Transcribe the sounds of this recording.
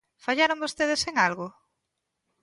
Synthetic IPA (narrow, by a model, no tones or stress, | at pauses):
faʎaɾõmbost̪eðeseŋalɣʊ